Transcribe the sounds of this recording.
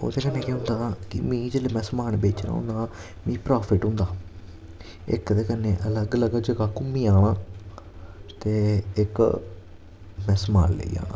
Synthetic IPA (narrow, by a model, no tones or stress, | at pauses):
o̰ðek̪ɐnːekːeund̪aːt̪ḭmiːd͡ʒilɨmesmaːɳɨbeːt͡ɕːɐn̰ːṵnd̪aː | miːpɾaːfiʈːund̪aː | ḛkːɐðek̪ɐnːeʔɐlɐɡɐlɐɡɐd͡ʒɐkakumːijaːɳɨ | t̪eekːɨ̰ | mesmaːlːḛja̰ːɳɨ